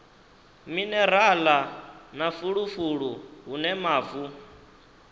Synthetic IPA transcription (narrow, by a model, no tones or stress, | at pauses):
minɛɾalanafuɺufuɺuɦunɛmaːvu